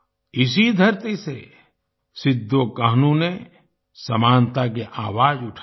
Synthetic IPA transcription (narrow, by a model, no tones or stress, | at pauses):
ɪs̬id̪ʱɐɾt̪ise | sɪd̪ʱːokaɦnũne | sɐmaːnt̪ak̬eʔaːwaːd͡ʒʊʈʰa